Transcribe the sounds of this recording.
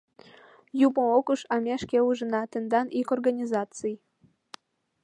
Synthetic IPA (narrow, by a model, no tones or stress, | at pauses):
jumookəʃɑmʲeʃkʲeuʒə̆nɑt̪ɘ̆nd̪ɑnʔikorɡanʲizɑt͡sɨj